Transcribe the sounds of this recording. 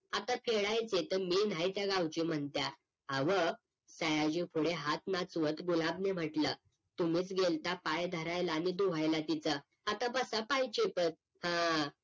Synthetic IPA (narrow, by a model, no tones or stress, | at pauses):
at̪afʰeɽajt͡set̪əɾmin̤ajt̪jaɡawt͡ɕim̤əɳt̪ja | ɦaʋə | səjad͡ʑipʰuɽeɦat̪nat͡sʋət̪ɡulabnem̤əʈlə | t̪um̤iːt͡sɡelt̪apajd̪ʱəɾajlaːnid̪uʋ̤ajlat̪it͡sa | at̪ãbəsapajt͡ɕipət̪̚ | hã